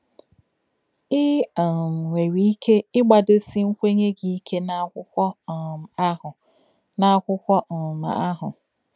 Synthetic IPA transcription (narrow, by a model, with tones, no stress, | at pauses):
ɪ˦˨ | ŋʷe˨ɾi˦i˦kʰe˦ɪ˦ɡ͡ba˨dʊ˦si˦ŋ̩˦kʷe˦ɲe˦ɡi˨i˦kʰe˦na˦˨a˦ʊ˨ | na˨a˦˨kʷʊ˦kʷɔ˦˨ma̰˨a˦ɦʊ˨